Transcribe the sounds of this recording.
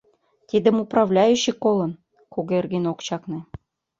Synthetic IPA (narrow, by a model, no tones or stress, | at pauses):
t̪ʲed̪ɘ̆muprɑvlʲæjuɕikolˠɤ̆n | koɡerɡenokt͡ɕɑknĕ